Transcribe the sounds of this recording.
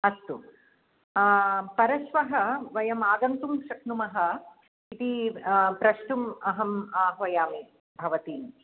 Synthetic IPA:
ɐst̪u | pɐɾɐʃʋɐɦɐ̆ʋɐjɐmaːɡ̪ɐnt̪umʃɐknumɐɦɐ̆ | it̪ipɾɐʃʈumɐɦɐmaːɦʋɐjaːm | bʱɐʋɐt̪iːn

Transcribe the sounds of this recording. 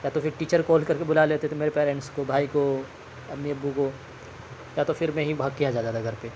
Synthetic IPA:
jaːt̪ofʰɪɾʈiːt͡ʃəɾkɔːlkɐɾkebʊlaleːt̪eɛt̪ʰomeːɾepɛːɾɛ̃ɳʈskobʱaːiko | ɐbniɐbːuko | jaːt̪ofʰɪɾmẽɦibʱaːɡ̚kijad͡ʒaːd̪ːt̪aɡʱɐɾpe

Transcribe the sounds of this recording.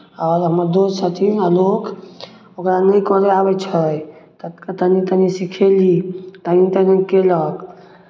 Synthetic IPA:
ɔːɾɦəməɾd̪osət̪ʰialok | okɾanəj̃kɔɾeabɛt͡ʃʰət̪ət̪kət̪ənit̪ənisikʰelit̪ənit̪ənikelək

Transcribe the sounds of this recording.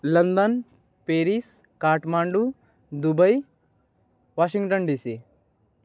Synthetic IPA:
lɐnd̪ɐn | peːɾis | kaːʈmaːɳɖu | d̪ubɐj | ʋaːʃiŋɡʈənɖiːsi

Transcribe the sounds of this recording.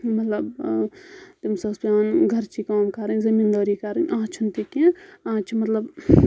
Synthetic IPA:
mɐt̪lɐb | t̪imsɐspʲjãːnɡʱɐɾt͡ʃikaːmkɐɾənzɐmiːnd̪aːɾikɐɾənãːt͡ʃʰunt̪ikẽãːt͡ʃʰmɐt̪lɐb

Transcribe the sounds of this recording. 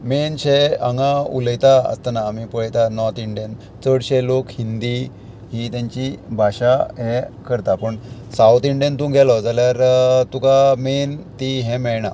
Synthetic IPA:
menɕɛəŋɡãṵləjt̪aə̰st̪anaːmipəɭjt̪anɔɾt̪iɳɖijən | t͡səɽɕɛlokhind̪i | ɦit̪jãɲt͡ɕibʱaɕaɦɛkəɾt̪apəɳsawt̪iɳɖijənt̪ũɡʱɛlɔd͡zaljaɾt̪ukament̪iɦɛ̃mɛɭɳa

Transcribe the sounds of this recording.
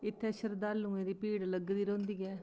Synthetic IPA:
ɪt̪ʰːeːʃəɾd̪aːlːũːẽːd̪iːpiːɽləɡd̪iːɾõːnd̪iːɡɛː

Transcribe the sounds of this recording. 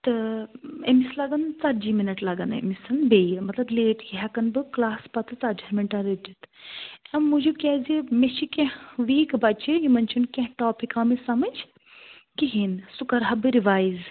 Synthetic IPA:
t̪ɨ | ḛmislaɡɐnt͡sɐɾd͡ʒiːminɐʈlaɡɐnɨḛmisɐnbejɨmɐt̪lɐbleːʈjiɦɛkɐnbɨklaːspɐt̪ʰɨt͡sad͡ʒɐmiɳʈaɾid͡ʒit̪ɐmud͡ʒukʲɛzimeʃikẽɦʋiːkbɐt͡ʃijimɐnt͡ʃʰunkʲɛ̃ɦʈɔːpikaːmisɐmɐd͡ʒ | kiɦinsukɐɾɦɐbɨɾiʋaːjz

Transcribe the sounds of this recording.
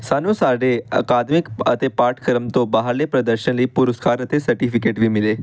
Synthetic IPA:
saːnũsaːɖeɐ̰kaːd̪mɪkɐt̪epaːɾʈʰkəɾəmt̪õbaɦaɾlepɾɐd̪əɾʃənləipʊɾʊskaːɾət̪esɐɾʈiːpʰɪkeːʈʋʱimɪleː

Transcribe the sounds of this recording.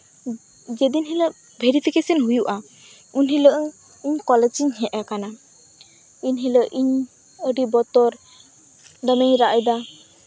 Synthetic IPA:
d͡ʒɛd̪inɦilə | bʱeɾipʰikesənɦujuʔa | unɦiləʔŋ | iɲkɔlɛd͡ʒiɲɦɛʔakana | iɲɦiləʔiɲ | əɖibɔt̪ɔɾ | ɖəmejɾaʔəjd̪a

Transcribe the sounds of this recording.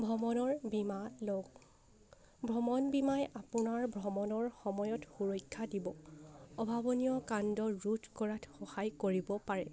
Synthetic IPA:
bʱɔmɔnɔɹbimaloɡ | bʱɹɔmɔnbimajʔapʊnaɹbʱɹɔmɔnɔɹxɔmɔjɔtxuɹɔjkʰːadibɔɔbʱabɔnijɔkandɔɹudkɔɹatxɔhajkoɹibɔpaɹɛ

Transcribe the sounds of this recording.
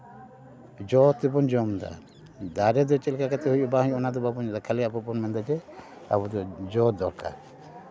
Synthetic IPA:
d͡ʒɔt̪ːɛpɔnd͡ʒɔmd̪a̰ | d̪aɾɛd̪ɔt͡ʃɛlkakat̪ɛɦujɔbaɦujɔnad̪ɔbapɔnɔd̪akʰaliapɔpɔnmɛnd̪ad͡ʒɛ | a̰bɔd̪ɔd͡ʒɔd̪ɔɾka̰ɾ

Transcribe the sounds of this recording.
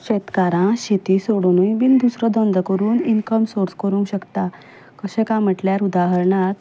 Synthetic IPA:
ɕet̪kaɾãɕet̪isoɽnujbind̪usɾɔd̪ənd̪kəɾuːninkəmsoɾd͡zkəɾũŋkɕəkt̪a | kəɕẽkãm̤əʈljaɾud̪aɦəɾɳat̪

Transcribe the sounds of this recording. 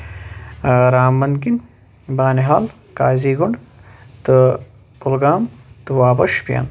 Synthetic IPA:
ɾaːmːɐnkin | baːneɦaːl | kaːziːɡuɳɖt̪ɨ | kulɡaːmt̪uwaːbɐʃpija̰n

